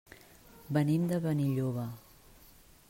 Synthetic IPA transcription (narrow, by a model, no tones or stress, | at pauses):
bənimd̪əβəniʎoβə